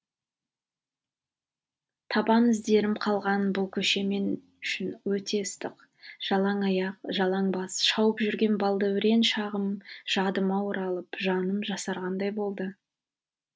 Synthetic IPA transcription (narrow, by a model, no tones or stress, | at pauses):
t̪ʰɑbɑmɪzd̪e̞ɾɪmqʰɑlˠʁɑnbʊlˠkʲʰɵʃe̞me̞n | ʏʃɪnwɵt̪ʰe̞ɪst̪əq | ʒ̥ɑlˠɑɴɑjɑq̚ʒɑlˠɑɴbɑsʃɑwəpʒʏɾɡʲe̞nbɑlˠd̪ɑwɪɾe̞nʃɑʁəmʒ̥ɑd̪əmɑwəɾɑlˠəpʒɑnəmʒɑsɑɾʁɑnd̪ɑjbo̞lˠd̪ə